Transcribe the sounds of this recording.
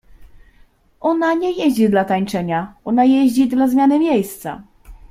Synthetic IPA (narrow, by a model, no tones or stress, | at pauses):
ɔnaɲɛjeʑd͡ʑid̪lat̪aɲt͡ʂɛɲaʔɔnajeʑd͡ʑid̪lazmʲjanɘmʲjejst̪sa̰